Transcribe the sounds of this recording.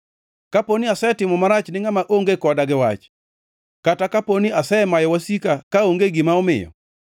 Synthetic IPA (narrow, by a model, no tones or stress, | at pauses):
kaponiasɛtɪmɔmaɾat͡ʃnɪŋamaʔoŋɡekɔdaɡɪwa̰t͡ʃ | katakaponiasɛmajɔwasikakaoŋɡeɡɪmaɔmɪ̰jɔ̰